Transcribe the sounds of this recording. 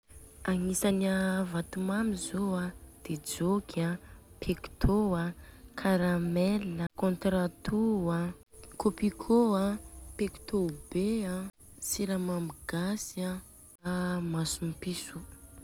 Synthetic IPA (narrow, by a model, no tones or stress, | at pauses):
aŋisanavat̪umamizoad̪̥ed͡ʒokʰapʰekt̪ʰoakʰaɾamɛləkõnt̪ɾat̪ua | kopikʰoapeki̥t̪obea | siɾamamiɡ̥asia | masumpisu